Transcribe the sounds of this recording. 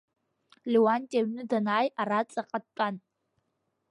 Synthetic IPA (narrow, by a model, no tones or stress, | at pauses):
liwantʲʼeɥnɨdɐnaːjarat͡sʼɐqʼɐtʼan